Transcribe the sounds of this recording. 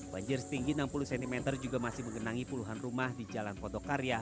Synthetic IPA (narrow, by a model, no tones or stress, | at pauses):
ba̰ɲd͡ʒɪrsə̥t̪iŋɡinampuluhsɛnt̪imɛt̪ərd͡ʒuɡamasɪhməŋɡənaŋipuluɦanrumahdid͡ʒalankot̪okaɾja